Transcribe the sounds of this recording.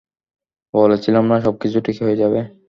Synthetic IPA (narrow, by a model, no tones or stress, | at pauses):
bɔlet͡ɕʰilamnaʃɔb̚kit͡ɕʰuʈikʰeɦojed͡ʑabe